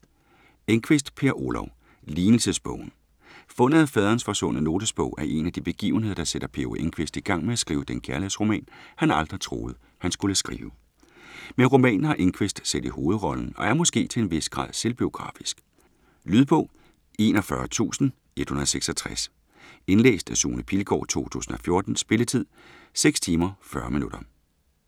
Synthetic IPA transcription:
eŋkʰʋe̝sd̥pʰe̝ːɐʔo̝lɒʊ | liːnl̩səsb̥ɔ̰̽ʊ̰n̩ | fɔ̽n̰əðˠæfɛð̞ˠʁɐːnsfɒ̽sɔ̽nəno̝ːd̥əsb̥ɔ̽ʊ̰æɐʔe̝næd̥ib̥e̝ɡ̥ḭːʊn̩he̝ð̞̰ˠɐd̥ɑ̈seɾ̥ɐpʰe̝oeŋkʰʋe̝sd̥iɡ̥ɑ̈ŋ̰meæsɡ̥ʁiːʊəd̥enkʰæɐlesʁo̝mɛ̰ːnhænɑ̈ld̥ʁit͡sʰʁo̝ːð̞̩ˠ | hænsɡ̥uləsɡ̥ʁḭːʊə | menʁo̝mɛ̰ːnn̩hɑ̈ʔe̝ŋkʰʋesd̥sed̥iho̝ːð̞̩ˠʁɒ̽ln̩ɒ̽æɐmɔ̽sɡ̥e̝̰ːt͡sʰe̝enʋe̝sɡ̥ʁɑ̰̈ð̰ˠse̝lb̥io̝ɡ̥ʁɑ̰̈ːfisɡ̥ | lyːð̞ˠb̥ɔ̽ʊ̰ | e̝nɒ̽fɶɐt͡sʰṵːsn̩ | e̝d̥hunɐðˠseɡ̥sɒt͡sʰʁɛs | e̝nlḛːsd̥æsṵːnəpʰilɡ̥ɒ̰ːt͡sʰo̝̰ːt͡sʰṵːsn̩ɒ̽fjo̝ɐd̥n̩sb̥e̝lət͡sʰið̰ˠseɡ̥st͡sʰiːmɐfɶɐminuɾ̥ɐ

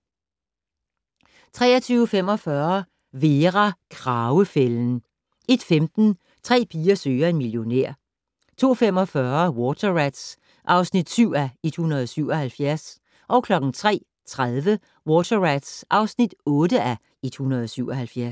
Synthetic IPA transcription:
t͡sʰʁɛ̰ːɐt͡sʰyːʊəfem̰ɒ̽fɶɐ | ʋe̝ːʁakʰʁɑʊəfeln̩ | e̝d̥femd̥n̩ | t͡sʰʁɛ̰ːpʰiːɐsøːɐe̝nmiljo̝neɐ̰ | t͡sʰo̝̰ːfem̰ɒ̽fɶɐwɔt͡sʰɐʁæd̥s | ʔɑ̈ʊsnid̥syʊ̰æe̝d̥hunɐð̞ˠɒ̽syʊ̰ɒ̽hælfjæɐs | ʔɒ̽ʊkʰlɒ̽ɡ̥n̩t͡sʰʁɛ̰ː | t͡sʰʁaðˠʋə | wɔːt͡sʰɐʁæd̥sʔɑ̈ʊsnid̥ɔ̽ːdəʔæ | ed̥hunʁɐð̞ˠɒ̽syʊɒ̽ɦælfjæɐs

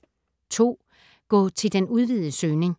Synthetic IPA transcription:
t͡sʰo̝̰ː | ɡ̥ɒ̰ːt͡sʰe̝ld̥enuð̞ˠʋið̩ˠəsøːne̝ŋ

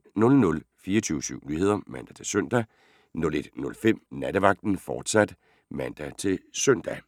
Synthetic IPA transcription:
nɔ̽lnɔ̽lfiːɐt͡sʰyːʊsyʊ̰nyhe̝ð̞̰ˠɐmænd̥æt͡sʰe̝sœn̰d̥æ | nɔ̽le̝d̥nɔ̽lfem̰næd̥əʋɑ̈ɡ̥̚d̥n̩fɒːd̥sæd̥ | mæn̰d̥æt͡sʰe̝lsøn̰d̥æ

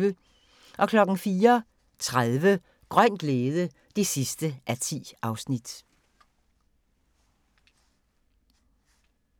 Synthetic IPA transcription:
ʋə | ʔɒ̽kʰlɒ̽ɡ̥n̩fiːɐ | t͡sʰʁaðˠʋə | ɡ̥ʁœn̰ɡ̥leːðˠə | d̥e̝sisd̥əʔæt͡sʰḭːʔɑ̈ʊsnid̥

